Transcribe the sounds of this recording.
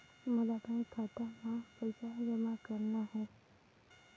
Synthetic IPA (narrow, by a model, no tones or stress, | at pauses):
məlapãĩkʰat̪amãpət͡ʃad͡ʒəmakəɾnaɦõ